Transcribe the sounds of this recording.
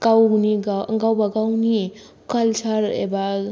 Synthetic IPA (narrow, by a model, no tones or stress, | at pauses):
kawniɡaɐŋɡawbaɡawni | kalsaɾḛba